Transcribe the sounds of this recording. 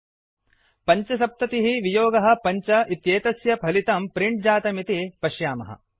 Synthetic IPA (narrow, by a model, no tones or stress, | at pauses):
pɐɲt͡ʃɐsɐp̚t̪ɐt̪iɦiʋijoːɡɐɦɐ̆pɐɲt͡ʃɐʔit̪jeːt̪ɐsjɐpʰɐlit̪ɐmpɾiɳʈ̚d͡ʒaːt̪ɐmit̪ipɐʃjaːmɐ̰ɦɐ̰